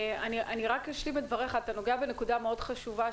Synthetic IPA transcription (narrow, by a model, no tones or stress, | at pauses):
aniʔaniʁakjaʃlimetd̪vaʁe̞χaːt̪ano̞ɡeabe̞ne̞kudameo̞dχaʃuva